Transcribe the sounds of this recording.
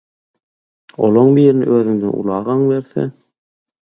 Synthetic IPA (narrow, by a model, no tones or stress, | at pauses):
o̰lˠoɴbiːɾɪnɪ̰ʔøːðyŋd̪æ̰nʔṵlˠɑːʁɑɴbeɾθḛ